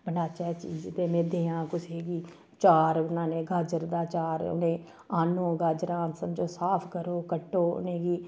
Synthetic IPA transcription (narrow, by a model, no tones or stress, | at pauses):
bənaːt͡ʃɛt͡ʃiːd͡ʒp̪emeːd̪eːãːkʊseːɡiː | t͡ʃaːɾbənaːneːɡʱaːd͡ʒəɾd̪aːt͡ʃaːɾʊ̰nẽː | aːnõːɡʱaːd͡ʒəɾãːnsəmd͡ʒoːsaːpʰkəɾoːkəʈːoːʊ̰nẽːɡiː